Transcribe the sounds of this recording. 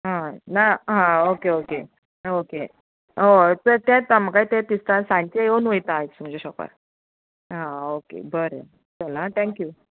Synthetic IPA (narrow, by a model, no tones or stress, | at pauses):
ɦãnaɦãokeoke | oke | ɦot̪əɾt̪ɛ̃t̪amakait̪ẽt̪ist̪ãsãɳt͡ɕejonʋəjt̪aːɦet̪sum̤əd͡ʑeɕɔka̰ɾ | ɦãokḛbəɾḛ | t͡səlat̪ʰɛ̃ŋkju